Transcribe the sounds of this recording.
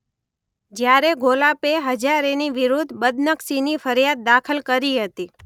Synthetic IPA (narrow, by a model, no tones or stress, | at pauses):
d͡ʒjaɾeɡʱolapeɦəd͡ʒaɾeniʋiɾud̪ʱbəd̪nəksinifəɾjad̪̚ːakʰəlkəɾiɦət̪i